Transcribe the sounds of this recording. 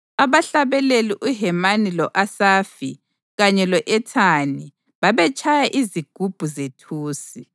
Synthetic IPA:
aβaɬaβɛleliʔuɦɛmanilɔʔasaːfḭ | ɣaɲɛlɔʔɛtʰani | βaβɛt͡ʃʼʰajaʔiziɡ̥ʱub̥ʱuzetʰuːsi

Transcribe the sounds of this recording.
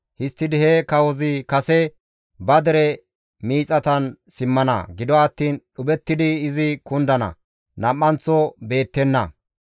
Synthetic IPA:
hɪst̪ːɪd̪ɪhɛkɐwɔzɪkɐsɛ | bɐd̪ɛɾɛ | miːt͡sʼɐt̪ɐnsɪmːɐnɐ̰ɡɪd̪ɔɐt̪ːiːnɗʊbɛt̪ːɪd̪ɪːzɪkʊnd̪ɐnɐ̰ | nɐmːɐnt͡sːɔbe̞ːt̪ːɛnːɐ̰

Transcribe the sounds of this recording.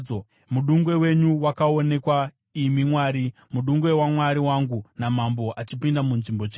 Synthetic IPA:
o | muɗuŋɡwe̞we̞ɲuwakao̞ne̞kwa | imimwaːɾi | muɗuŋɡwe̞wamwaɾiwaŋɡunamambo̞ʔat͡ʃipindamunʐimbo̞t͡ʃe

